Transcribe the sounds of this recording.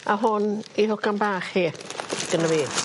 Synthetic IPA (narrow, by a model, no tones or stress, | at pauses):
aɦʊnihʊkanbaːχheːθɡ̥ənəviː